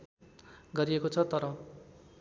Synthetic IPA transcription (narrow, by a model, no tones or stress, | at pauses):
ɡʌɾiekot͡sʰʌt̪ʌɾʌ